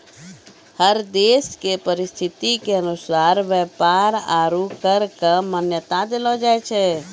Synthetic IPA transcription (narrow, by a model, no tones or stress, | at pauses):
həɾd̪eskepəɾist̪ʰit̪ikeənusaɾʋjɛpaɾaɾukəɾkəmənjət̪ad̪elɔd͡ʒaɛt͡ʃʰɛ